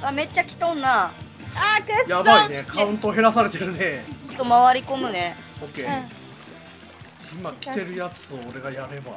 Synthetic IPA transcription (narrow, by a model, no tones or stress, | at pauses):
ame̞t͡ɕːakʲi̥t̪õnːa | akɯjabainekʰaɯ̟̃nt̪oːɦe̞ɾasaɾe̞t̪e̞ɾɯ̟net͡ɕo̥t̪ːomaβaɾʲiko̞mɯ̟ne | okeː | imakʲi̥t̪e̞ɾɯ̟jat͡sɨoːɾe̞ɡajaɾe̞ba